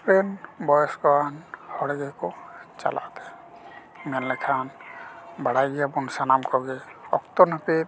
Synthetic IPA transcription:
pɾɛnbɔjɔskɔanhɔɽɛɡɛkɔt͡ʃa̰la̰ʔt̪ɛ | mɛnlɛkʰan | baɽajɡijapunsanamkɔɡɛɔ̰kt̪ɔnapiɾ

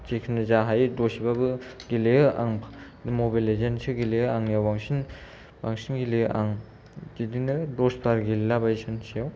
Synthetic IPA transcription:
t͡ʃekʰinɯzaɦajdosibabɯɡileɯʔa̰ŋʰ | dmobalezensiɡileɯaŋjawbaŋsin | baŋsinɡileʔaŋ | d͡ʒidinɯdosbaɾɡillabaisɯnsʰijaw

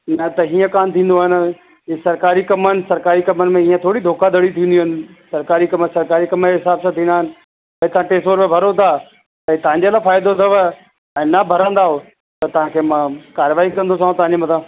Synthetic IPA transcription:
nɐt̪ɐɦiːə̃kaːmt̪ʰĩːn̆d̪oaːɦɪn | sɐɾkaːɾikɐmənɪ̆sɐɾkaːɾikɐmənɪ̆mẽiːə̃t̪ʰoːɽid̪ʱoːkad̪ʱəɽit̪ʰĩːnd̪iɦɪnɪ̆sɐɾkaːɾikɐməsɐɾkaːɾikɐməɦɪsaːbsãt̪ʰĩːnd̪aːɦɪnɪ̆ | pɐt̪ɐãʈeːsoːɾmẽbʱɐɾot̪aː | t̪ɐit̪ɐʋ̤ãɲd͡ʑeəlafaːjd̪osɐʋə | ɛ̃ːnɐbʱɐɾãːn̆d̪aːɦo | t̪ɐt̪ɐɦãːkʰeːmãːkaːɾʋaːikɐ̃nd̪os̬ãːõt̪ɐɦãɲd͡ʑemɐt̪ʰã

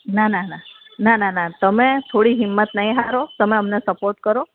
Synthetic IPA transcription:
nanana | nananat̪əmet̪ʰoɽiɦɪmːət̪nəɦĩɦaɾot̪əmeəmnesəpoɾʈkəɾo

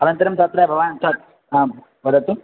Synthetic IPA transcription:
ɐnɐnt̪ɐɾɐmt̪ɐt̪ɾɐbʱɐʋaːnt̪ɐt̪̚ | a | bɐd̪ɐt̪u

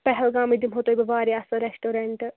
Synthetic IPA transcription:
pɛɦɛlɡaːmid̪imɦot̪obɐʋaːɾiɐsɐɾesʈoːɾeɳʈ

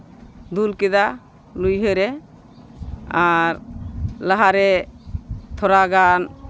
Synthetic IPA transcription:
d̪ulkɛd̪a | lujɦəɾɛ | aɾlaɦaɾɛ | t̪ʰɔɾaɡan

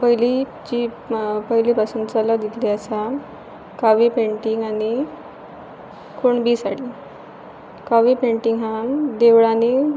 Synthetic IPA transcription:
pəɦili | t͡ɕi | pəɦilipasənd̪t͡salad̪it̪liasa | kaʋipeɳʈiŋɡani | koɳbiːsaɽli | kaʋipeɳʈiŋɦãd̪eʋɭani

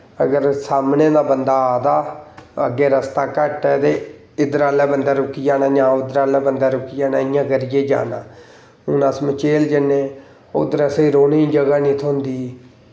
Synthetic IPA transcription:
əɡəɾsaːmnẽːd̪aːbənd̪aːd̪aːə̰ɡːeːɾəst̪aːkəʈɛːt̪eː | ɪd̪əɾaːlɛːbənd̪aːɾʊkːiːd͡ʒaːnaːd͡ʒãːʊd̪əɾaːlɛːbənd̪aːɾʊkijaːnaːɪjãːɡəɾɪjeːd͡ʒa̰ːnãː | ʊnəsmət͡ʃeːld͡ʒɪnːẽː | o̰d̪əɾəseiɾoːnĩːd͡ʒəɡaːnĩːt̪ʰʊnd̪iː

